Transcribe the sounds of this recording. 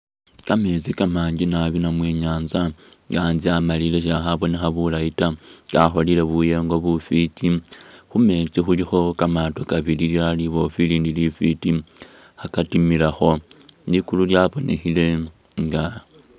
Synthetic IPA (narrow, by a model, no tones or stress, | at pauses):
kame̞t͡sikamaːɲɟinaβinamwe̞ːɲaːnza | ŋɡanziamalile̞ʃ̬axaβo̞nexaβulaitaɡaxo̞lile̞βuje̞ŋɡo̞βufitʰixume̞t͡sixulixo̞kamatokaβililjaliβo̞filiːndilifiti | akatimilaxo̞likululjaβo̞nʔe̞̰xile̞ | ŋɡa